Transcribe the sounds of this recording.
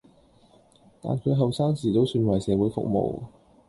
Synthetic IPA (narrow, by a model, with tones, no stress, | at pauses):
t̪a̰ː˨nkʰɵ˨˧˥ɦɐ˨wsaː˥ŋsiː˨˩t̪o˥wsyː˧nwɐ˨˩jsɛː˨˧wuː˨˥jfʊ̰˥k̚mo̰˨w